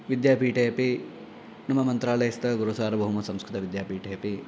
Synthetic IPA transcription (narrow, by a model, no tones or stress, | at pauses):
ʋid̪jaːpiːʈejɐpi | nɐmɐmɐnt̪ɾaːlɐjɐst̪ɐɡuɾusaːɾɐbʱɐɦumɐsɐmskɾut̪ɐʋid̪jaːpiːʈejɐpi